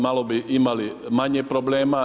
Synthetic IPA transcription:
malobiʔimalimaɲepɾobleːma

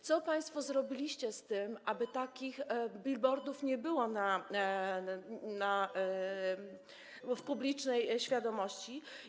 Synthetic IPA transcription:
t̪sɔpaj̃st̪fɔzɾɔbʲilʲiɕt͡ɕɛst̪ɘmʔabɘt̪akʲixbʲilbɔɾd̪ufɲɛbɘwɔna | na | fpublʲit͡ʂnɛjɕfʲjad̪ɔmɔɕt͡ɕi

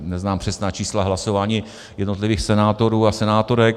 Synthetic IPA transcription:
nɛznaːmpr̥ɛsnaːt͡ʃiːslaɦlasovaːɲiː | jɛdnot̪lɪviːxsɛnaːt̪o̞ɾuːasɛnaːt̪o̞ɾɛk

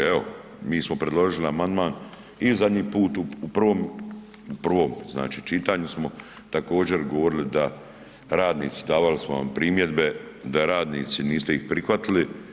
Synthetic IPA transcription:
eo̞̰ | miːsmopɾed̪lˠo̞ʒiliamand̪maːn | izad̪ɲiːpuːt̪uupr̩ʋo̞ːm | upr̩ʋo̞ːmzna̰ːt͡ʃiːt͡ʃit̪aːɲusmo̞ | t̪ako̞ːd͡ʑe̞ɾɡoʋo̞ɾilid̪a | ɾaːd̪nḭːt̪si̥d̪aːʋalismoʋa̰mpɾiːmje̞d̪be̞d̪aɾaːd̪niːt̪siniːst̪eixpɾixʋat̪ili

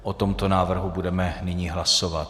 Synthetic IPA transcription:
ʔot̪omt̪onaːvr̩ɦubudɛmɛnɪɲiːɦlasovat̪

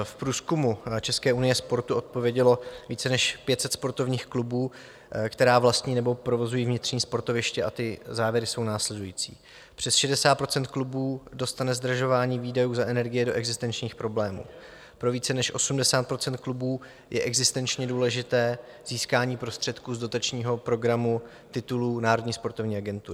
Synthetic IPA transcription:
fpɾuːskumut͡ʃɛskɛːʔunɪjɛspo̞ɾt̪uʔo̞t̪̚po̞vjɛɟɛlo̞viːt͡sɛnɛʃpjɛt̪sɛt̪spo̞ɾt̪o̞vɲiːxklubuː | kt̪ɛɾaːvlast̪ɲiːnɛbo̞pɾo̞vo̞zujiːvɲɪt̪r̥ɲiːspo̞ɾt̪o̞vɪʃcɛʔat̪ɪzaːvjɛɾɪso̞wnaːslɛdujḭːt͡sḭː | pr̥ɛsʃɛdɛsaːt̪pɾo̞t͡sɛnt̪klubuːdo̞st̪anɛzd̪r̩ʒo̞vaːɲiːviːdɛjuːzaʔɛnɛɾɡɪjɛdo̞ʔɛɡzɪst̪ɛnt͡ʃɲiːxpɾo̞blɛːmṵː | pɾo̞viːt͡sɛnɛʃʔo̞sumdɛsaːt̪pɾo̞t͡sɛnt̪̚klubuː | jʔɛʔɛɡzɪst̪ɛnt͡ʃɲɛduːlɛʒɪt̪ɛː | z̥iːskaːɲiːpɾo̞st̪r̝̥ɛt̪kuːzdo̞t̪at͡ʃɲiːɦo̞pɾo̞ɡɾamu | t̪ɪt̪uluːnaːɾo̞dɲiːspo̞ɾt̪ovɲiːʔaɡɛnt̪uɾɪ

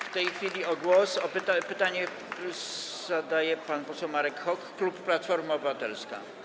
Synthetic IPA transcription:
ft̪ɛjxfʲilʲiɔɡwɔsɔpɘt̪apɘt̪aɲɛ | z̥ad̪ajɛpanpɔsɛwmaɾɛkxɔkːlupːlat̪fɔɾmaɔbɘvat̪ɛlska̰

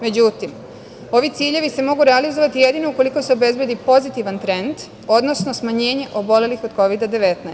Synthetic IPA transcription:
me̞d͡ʑut̪im | o̞ʋit̪siːʎe̞ʋise̞mo̞ɡuɾealizo̞ʋat̪ije̞d̪ino̞uko̞liko̞seobe̞zbje̞d̪ipo̞zit̪iʋant̪ɾe̞nd̪ | o̞d̪no̞sno̞smaɲe̞ːɲe̞ʔo̞bo̞le̞lixo̞d̪ko̞ʋid̪ad̪e̞ʋe̞t̪na

